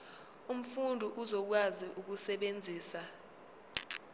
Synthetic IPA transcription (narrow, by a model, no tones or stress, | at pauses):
um̩fundʱuʔuzɔk̬waziʔuk̬usɛɓend͡zʱiːsa